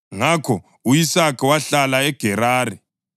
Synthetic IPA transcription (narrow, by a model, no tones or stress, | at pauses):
ŋakʰɔ | ujisakʰʼɛwaɬalaɛɡ̥ʱɛɾaːri